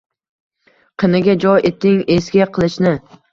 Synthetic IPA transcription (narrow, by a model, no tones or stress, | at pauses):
qʰɨnɪɡʲad͡ʒɒjet̪ɪŋesɡʲaqʰɨlˠɪʃnɪ